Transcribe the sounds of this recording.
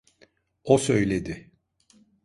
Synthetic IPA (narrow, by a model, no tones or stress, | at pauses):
osø̞jlʲed̪ɪ